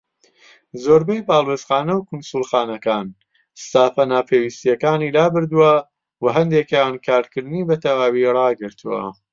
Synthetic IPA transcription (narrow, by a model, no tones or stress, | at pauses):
zoːɾbejpaːlˠwesχaːnɐwkʰʊnsulˠxaːnɐkaːn | st̪aːfɐnaːpʰeːwist̪ijɐkaːniːlaːbɨɾd̪uwɐ | wɐɦɐnd̪eːkjankʰaːɾkɨɾd̪ɨniːbɐt̪ʰɐwaːwirɑːɡɨɾt̪ʰuwɐ̰